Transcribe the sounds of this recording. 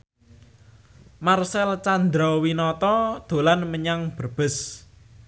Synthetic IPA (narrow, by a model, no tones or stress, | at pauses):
marsɛlt͡ʃand̪ɾɔwinɔt̪ɔd̪̥o̤lanməɲaŋb̥ərb̥ɪ̤s